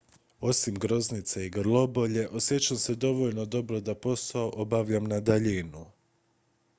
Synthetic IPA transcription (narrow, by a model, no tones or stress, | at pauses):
o̞simɡɾo̞znit̪seiɡɾlˠo̞bo̞ʎe̞ʔo̞sjet͡ʃamse̞d̪o̞ʋo̞ʎno̞d̪o̞bɾo̞d̪apo̞st̪aoʔo̞baʋʎamnad̪aʎinu